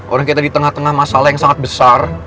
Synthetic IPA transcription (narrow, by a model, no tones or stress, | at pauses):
ʔoɾaŋkit̪adit̪əŋaht̪əŋahmasalahjaŋsaŋat̪̚bəsar